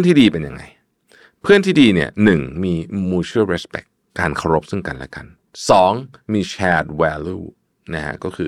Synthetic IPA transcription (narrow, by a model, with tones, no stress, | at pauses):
nt̪ʰiː˥˩diː˧pe˧nja̰˧ŋːa˧j | pʰɯ˥˩ənt̪ʰiː˥˩diː˧ni˥˩ɐnɯ˨˩ŋmiː˧muː˧t͡ɕʰɯ˥˩˨ɾɛ˦˥spɛ̰˨˩kːaː˧nkʰa˧wɾo˦˥p̚sɯ˥˩ŋka˧nlɛ̰˦˥ka˧n | sɔː˩˦ŋmiː˧t͡ɕʰɛː˧˥t̪̚wɛː˧luː˥˩ | na˦˥kʰa̰˦˥kɔː˥˩kʰɯː˧